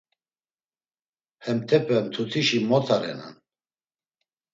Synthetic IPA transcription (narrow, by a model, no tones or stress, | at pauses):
hɛmt̪ʰɛpʰɛmt̪ʰut̪ʰiʃimɔt̪ʰaɾɛ̰na̰n